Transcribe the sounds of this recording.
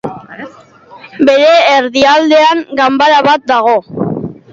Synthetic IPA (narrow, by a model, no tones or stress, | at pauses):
be̞ɾe̞ːɾðiald̪e̞aŋɡambaɾaβat̪̚d̪aɣ̞o̞